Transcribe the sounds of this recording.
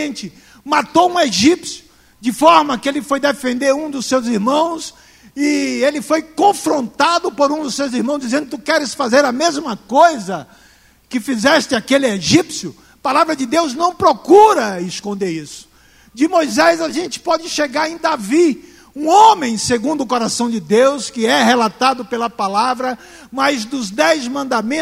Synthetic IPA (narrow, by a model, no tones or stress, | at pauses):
ẽnt͡ʃɪ | mat̪oũeʒipsjʊ | d͡ʒɪfɔɾmɐkɪelɪfojd̪efẽnd̪eɾũd̪ʊsːewziɾmɐ̃w̃s | ɪelɪfojkõfɾõnt̪ad̪ʊpoɾũd̪ʊsewziɾmɐ̃w̃zd͡ʒizẽnd̪ʊt̪ukɛɾɪsfazeɾɐmezmɐkojzɐ | kɪfizɛst͡ʃɪakelɪeʒipsjʊ | palavɾɐd͡ʒɪd̪ewznɐ̃w̃pɾokuɾɐɪskõnd̪eɾisʊ̥ | d͡ʒɪmojzɛzaʒẽnt͡ʃɪ̥pɔd͡ʒɪʃeɡaɾẽj̃d̪avi | ũõmẽj̃seɡũnd̪ʊkoɾasɐ̃w̃d͡ʒɪd̪ewskɪɛɦelat̪ad̪ʊpelɐpalavɾɐ | mɐzd̪ʊzd̪ɛjzmɐ̃nd̪amẽ